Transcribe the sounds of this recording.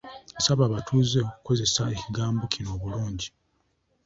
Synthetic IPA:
esaβaːβatʰuːzeoku̥ko̞ze̞sae̞ciɡaːmbocʰino̞ːβuluːɲɟi

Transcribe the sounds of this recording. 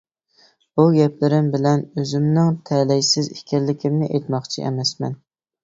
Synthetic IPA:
bʊɡʲɛpʰlɪɾɪmbɪlænɵzɪmnɪŋt̪ʰælæjsɪzɪkʲʰællːɪkʲʰɪmnɪʔejt̪mɑqt͡ʃʰɪ̰ʔḛmæsmæ̰n

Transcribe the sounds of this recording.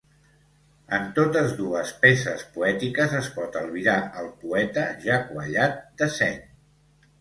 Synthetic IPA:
ənt̪ot̪əzðuəspesəspuɛt̪ikəzəspɔt̪əlˠβiðaəlˠpuɛt̪əʒakwəʎat̪̚d̪əsɛn

